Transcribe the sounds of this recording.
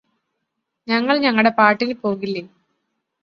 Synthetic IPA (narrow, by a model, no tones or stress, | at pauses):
ɲɐŋːɐɭɲɐŋːɐɭɽe̞paːʈːilpo̞ːɣilːe